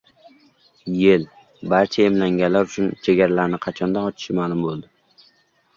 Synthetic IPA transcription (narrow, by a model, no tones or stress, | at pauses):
jel | baɾt͡ʃʰaemlaŋɡʲanlːaɾʊt͡ʃʰʊnt͡ʃʰeɡʲaɾalaɾnɪqʰɑt͡ʃʰɒnd̪anɒt͡ʃʰɪ̥ʃɪmaːlˠʊmbolˠd̪ɪ